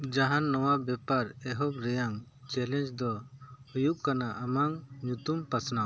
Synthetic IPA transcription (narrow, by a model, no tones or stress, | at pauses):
d͡ʒaɦanːɔwabɛpaɾɛɦɔp̚ɾɛjaŋ | t͡ʃɛlɛnd͡ʒd̪ɔujup̚kanaʔamaŋɲut̪umpasna